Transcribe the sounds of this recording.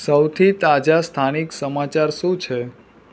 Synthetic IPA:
səwt̪ʰit̪ad͡ʒast̪ʰaniksəmat͡ʃaɾʃũt͡ʃʰe

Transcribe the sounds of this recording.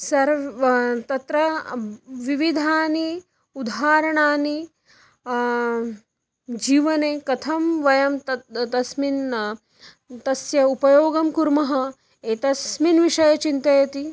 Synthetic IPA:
sɐɾ | t̪ɐt̪ɾɐ | ʋiʋid̪ʱaːni | ud̪ʱaːɾɐɳaːni | d͡ʒiːʋɐneːkɐt̪ʰɐmʋɐjɐmt̪ɐt̪ɐsmin | t̪ɐsjɐupɐjoːɡɐmkuɾmɐɦɐ | eːt̪ɐsminʋiʂɐjɐt͡ʃint̪ɐjɐt̪i

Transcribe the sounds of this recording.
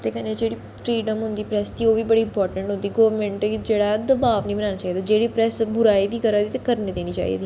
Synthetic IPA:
t̪eːkəned͡ʒeːɽiː | fʰɾiːɖəmɦʊ̃nd̪iːpɾɛst̪iːoːʋiːbəɽiːɪmpɔːɾʈə̃ɳʈɦʊ̃nd̪iːɡəːmɛ̃ːɳʈd͡ʒeːɽaːd̪əbaːʋnĩːbənaːnaːt͡ʃaːiːd̪aːd͡ʒeːɽiːpɾɛːsbʊɾaːiʋiːkəɾaːd̪iːt̪ekəɾniːd̪eːɽ̃iːt͡ʃa̰ːḭd̪iː

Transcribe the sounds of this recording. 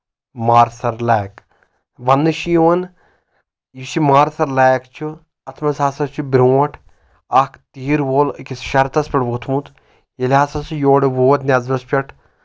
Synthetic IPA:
maːɾsɐɾlaːk | ʋɐnːɨʃijoɐn | jiʃimaːɾsɐɾlaːjkt͡ʃʰu | ɐt̪ʰmɐsaːsɐst͡ʃʰubʲɾoːɐʈʰ | ɐkʰt̪iːɾʋoːlkʲisʃɐɾt̪ɐspʲɐʈʋot̪ʰmũt̪ | jelʲaːsɐsɨjoːɽeʋoːɐt̪nʲjaːzɾɐspʲɐʈʰ

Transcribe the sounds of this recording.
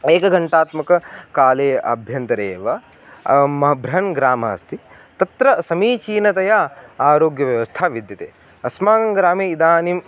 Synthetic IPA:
eːkɐɡɐɳʈaːt̪mɐkɐkaːleːɐ̰bʱjɐnt̪ɐɾeːʋɐ | mɐɦɐbʱɾɐɦɐnɡɾaːmɐ̰ːst̪ʰi | t̪ɐt̪ɾɐsɐmiːt͡ʃiːnɐt̪ɐjaːaːɾoːɡjɐʋjɐʋɐst̪ʰaːʋid̪jɐt̪ḛː | ɐsmaːɡɐŋɡɾaːmeːid̪aːnim

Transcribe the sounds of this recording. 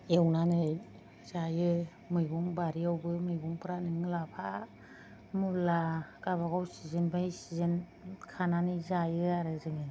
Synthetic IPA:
ewnanɯj | z̥ajɯ | mɯjbuŋbaɾiawbɯmɯjbuŋpɯɾanɯŋlapʰa | mulaɡ̥aβaɡawsizɯnbajsizen | kʰananɯzajɯaɾɯzɯŋi

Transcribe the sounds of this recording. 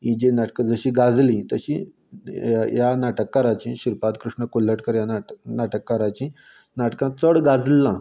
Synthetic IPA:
ɦĩd͡ʑenaʈkəd͡zəɕĩɡad͡zlĩt̪əɕĩ | janaʈəkːaɾãt͡ɕĩɕiɾpat̪kɾuʂɳəkolːəʈkəɾjananaʈəkːaɾãt͡ɕĩ | naʈkãt͡səɽɡad͡zlːã

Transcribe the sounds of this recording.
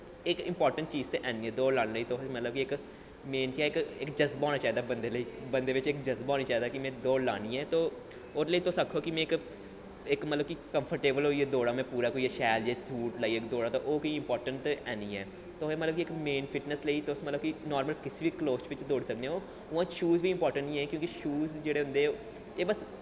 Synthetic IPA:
ɪkɪ̰̃mpɔːɾʈə̃ɳʈ̚t͡ʃiːzt̪eːʔɛːniːɛːd̪oːlaːnːləiːt̪oɦmət̪ləb̚kiɪk | meːnkjaːɪkɪkd͡ʒəzbãːnaːt͡ʃaːɦiːd̪abənd̪eːləiːbənd̪eːʋɪt͡ʃɪkd͡ʒəzbaːniːt͡ʃaːɦiːd̪aːkɪmɛ̃ːd̪oːla̰ːniːɛːt̪oː | ʊɾləiːt̪osakʰːoːkɪmɛ̃ːɪk | ɪkmət̪ləbkikəmpʰəɾʈeːbəloːieːd̪oːɽaːmɛ̃ːpuːɾaːkoːiːʃɛːld͡ʒaːsuːʈlaːiːɪkd̪oːɽaːt̪oːʔoːkiːɪ̃mpɔːɾʈəɳʈɛːniːɛː | t̪oːeːmət̪ləbkiɪkmeːnpʰɪʈnəsləiːt̪ʊsmət̪ləbkinɔːɾməlkɪsiʋiːkloːst͡ʃʋɪt͡ʃd̪oːɽsəkneːoː | ʊãːt͡ʃʃuːzʋiːɪmpɔːɾʈəɳʈĩːɛ̃ːkjõːkiʃuːzd͡ʒeːɽeːɦʊ̃nd̪eː | t̪eːbəs

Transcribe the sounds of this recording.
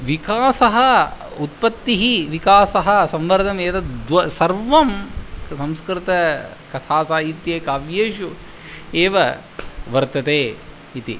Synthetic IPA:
ʋikaːsɐɦɐ | ut̪̚pɐt̪ːiɦiʋikaːsɐɦɐsɐmʋɐɾd̪ʱɐmeːt̪ɐd̪ʋɐsɐɾʋɐmsɐ̃mskɾɪt̪ɐ | kɐt̪ʰaːsaːit̪jeːkaːʋjeːʃu | eːʋɐ | ʋɐɾt̪ɐt̪eː | it̪i

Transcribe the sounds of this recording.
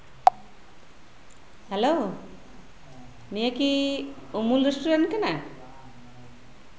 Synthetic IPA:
helo | nijəkiumulɾesʈuɾankana

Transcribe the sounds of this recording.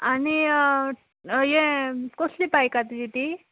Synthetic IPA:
ani | jẽkoslipajkat̪id͡ʑit̪i

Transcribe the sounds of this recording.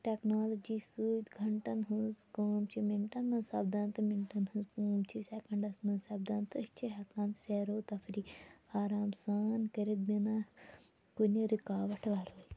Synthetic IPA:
ʈeknoːlɐd͡ʒiːsuːd̪ɡʱɐɳʈɐnɦunzkoːmt͡ʃʰimiɳʈɐnmɐnsɐb̚d̪aːnt̪ɐmiɳʈɐnhũnzkuːmt͡ʃʰisekɐɳɖɐsmɐnsɐb̚d̪aːnt̪ɨt͡ʃʰiɦɐkãːnseɾoːt̪ɐfʰiɾiaːɾaːmsaːnkɐɾid̪̚mina | kunʲɐɾikaːʋɐʈʰʋaːɾoːji

